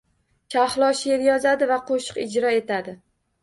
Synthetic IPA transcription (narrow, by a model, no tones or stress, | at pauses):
t͡ʃʰaχlˠɒʃeɾjɒzad̪ɪvaqʰoʃɨ̥qɪd͡ʒɾɒe̞t̪ʰad̪ɪ